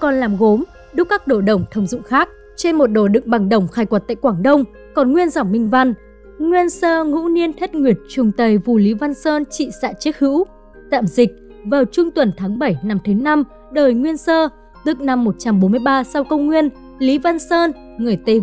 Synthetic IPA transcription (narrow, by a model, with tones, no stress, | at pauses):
kɔ˨˩nlaː˨˩mɣo˨˦m | ɗʊ˦˥k͡p̚kaː˦˥k̚ɗo˧˩ɗə˨˧˩wŋ͡mt̪ʰə˧wŋ͡mzʊ̰˧˨ŋ͡mxaː˦˥k̚ | t͡ɕe˧nmo˨˩t̚ɗo˧˩ɗɨ̰˧˨ŋ̚ɓa˨˩ŋɗə˧˩wŋ͡mxaː˧˩jkwə˨˩t̚t̪a̰ː˧˨jkwaː˧˩ŋɗə˧wŋ͡m | kɔ˨˩nŋwi˧ənza˨˧˩wŋ͡mːï˧ŋ̟va˧n | ŋwi˧ənsəː˧ŋṵ˧˥ni˧ənt̪ʰe˦˥t̚ŋwi˨˩ət̚t͡ɕʊ˨˩ŋ͡mt̪ə˨˩jvu˨˩li˨˦va˧nsəː˧nt͡ɕḭ˧˨sa̰ː˧˥t͡ɕi˦˥ək̚hɨ̰˧˥w | t̪a̰ː˧˨mzï˨˩k̚ | vaː˨˩wt͡ɕʊ˧ŋ͡mt̪wə˨˩nt̪ʰaː˨˦ŋɓə˧˩jna˨˩mt̪ʰɨ˨˦na˧m | ɗəː˨˩jŋwi˧ənsəː˧ | t̪ɨ˨˩k̚na˨˩mːo˨˩t̚t͡ɕa˧mɓo˨˦mɨ˧əjɓaː˧sa˧wkə˧wŋ͡mŋwi˧ən | li˨˦va˧nsəː˧n | ŋɨ˨˩əjt̪e˧